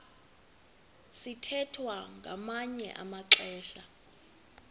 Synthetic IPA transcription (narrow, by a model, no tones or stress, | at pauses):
sitʰɛtʰwaŋɡʱamaɲɛ̰ʔa̰maǁɛːʃa